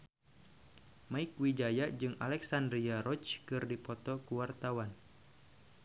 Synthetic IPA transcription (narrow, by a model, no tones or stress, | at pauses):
maikwid͡ʒajad͡ʒɨŋa̰lɛksandɾiaɾɔt͡ʃkɨrdipɔt̪ɔkuwart̪awan